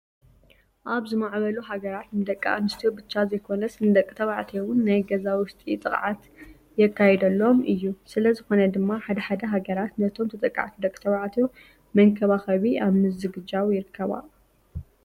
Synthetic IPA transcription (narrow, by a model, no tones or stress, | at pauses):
ʔaβzɨmaʕβɐluɦaɡɐɾat̪nɨd̪ɐkʼːaa̰nɨst̪ʰiobɨt͡ʃːazɐjkʰo̞nɐsnɨd̪ɐkʼːɨt̪ʰɐβaʕt̪ʰewʊnːajɡɐzawʊst̪ʼit̪ʼɨχʼʕat̪ | jɛkːajɛd̪ɐlːo̞mʔɨjːusɨlɐzɨxo̞nɐd̪ɨmːaħad̪ɐħad̪ɐɦaɡɐɾat̪nɐt̪ʰo̞mt̪ʰɨt̪ʼɐkʼːa̰ʕt̪ʰid̪ɐkʼːɨ̥t̪ʰɐβaʕt̪ʰi | mɐŋkʰɐβaxɐβiaβmɨzɨɡɨd͡ʒawjɪɾɨkʰːɐβa̰